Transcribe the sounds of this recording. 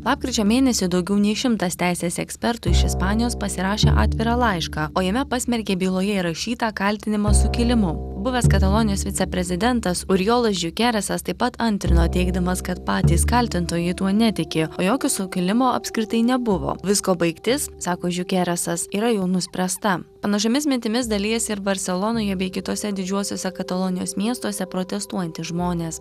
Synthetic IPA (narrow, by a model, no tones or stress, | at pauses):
lˠɑːp̚kɾʲɪt͡ʃʲoːmʲeːnʲɛsʲʊd̪ɒʊɡʲɛʊnʲɛɪʃʲɪmt̪ɐst̪ʲæɪsʲeːsɛksʲpʲɛɾt̪ʊɪʃɪspɑːnʲɪjoːspɐsʲɪɾɑːʃʲḛːʔɑ̰ːt̪ʲʋʲɪɾɑlˠɐɪʃkɑːoːjɛmʲɛpɑsʲmʲɛɾʲkʲeːbʲiːlˠoːjɛɪɾɐʃʲiːt̪ɑːkɐlʲt̪ʲɪnʲɪmɐsʊkʲɪlʲɪmʊbʊʋʲɛskɐt̪ɐlˠoːnʲɪjoːsʋʲɪt̪sʲɛpʲɾʲɛzʲɪd̪ʲɛnt̪ɐsʊɾʲjoːlˠɐsʒʲʊkʲæɾʲɛsɐst̪ɐɪpːɐt̪ɐnʲt̪ʲɾʲɪnoːt̪ʲɛɪɡd̪ɐmɐskɐt̪pɑːt̪ʲiːskɐlʲt̪ʲɪnt̪oːjɪt̪uɔnʲɛt̪ʲɪkʲɪoːjoːkʲoːsʊkʲɪlʲɪmoːɐ̰pʲskɾʲɪt̪ɐɪnʲɛbʊʋo̰ːʋʲɪskoːbɐɪkt̪ʲɪssɑːkoːʒʲjʊkʲæːɾʲɛsɐsiːɾɐjɛʊnʊsʲpʲɾʲɛst̪ɐpɐnɐʃ̬omʲɪsmʲɪnʲt̪ʲɪmʲɪsd̪ɐlʲiːɛsʲɪɾʋɐɾʲsʲɛlˠɔːnoːjɛbʲɛɪkʲɪt̪oːsʲɛd̪ʲɪd͡ʒʲuɔsʲoːsʲɛkɐt̪ɐlˠoːnʲɪjoːsmʲiɛst̪oɔsʲɛpɾoːt̪ʲɛst̪uɔjɛnt̪ʲɪʒmoːnʲeːs